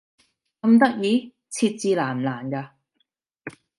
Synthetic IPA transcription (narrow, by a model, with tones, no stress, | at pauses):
kɐ˧mt̪ɐ˥k̚jiː˨˧˦ | t͡sʰi˧t̚t͡siː˧laː˨˩m˨laː˨˩nkaː˧